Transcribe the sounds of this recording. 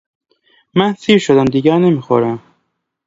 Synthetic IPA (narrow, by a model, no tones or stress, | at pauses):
mænsiːɾʃod̪æmd̪iɡæɾnemixo̰ɾæm